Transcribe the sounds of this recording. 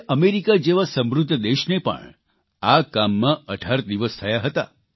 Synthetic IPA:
ʔəmeɾikad͡ʒeʋasə̃mɾʊd̪ʱːəd̪eʃnepə̰ɳ | akamːãəʈʰaɾd̪iʋəst̪ʰəjaɦət̪a̰

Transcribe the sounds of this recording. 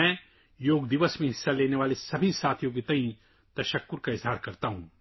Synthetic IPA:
ɛ̃ː | joːɡd̪ɪʋəsmẽɦɪsːaleːneʋaːlesɐbʱisaːt̪ʰjoːɡit̪ɐ̃ɦĩ | t̪ɐʃəkːʊɾkaɪzɦaːɾkɐɾt̪aɦũː

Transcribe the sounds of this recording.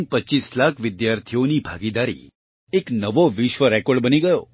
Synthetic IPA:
pətːt͡ʃislakʰʋɪd̪jaɾt̪ʰionibʱaɡid̪aɾḭ | eknəʋoʋɪʃʋəɾɛkɔɾɖbəniɡəjo

